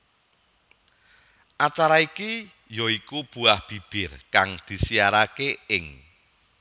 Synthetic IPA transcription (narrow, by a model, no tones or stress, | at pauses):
ʔat͡ʃaɾaiki | jɔikub̥uahb̥i̤b̥ɪrkaŋd̪̥i̤siaɾakeɪŋ